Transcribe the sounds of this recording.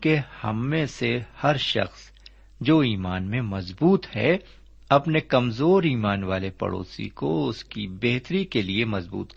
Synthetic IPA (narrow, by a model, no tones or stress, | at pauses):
kehɐ̰mːẽsehɐɾʃɐ̰xs | d͡ʒoːiːmaːnmẽmɐzbuːt̪hɛ̰ | ɐpnekɐmzoːɾiːmaːnʋaːlepɐ̰ɽo̰ːsḭkoʊskibeːɦt̪ɾikeliemɐzbṵːt̪k